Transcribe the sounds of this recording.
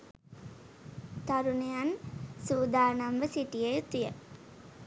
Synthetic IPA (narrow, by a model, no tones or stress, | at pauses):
t̪aɾunejansuːd̪ʱaːnamʋəsiʈijejt̪ijə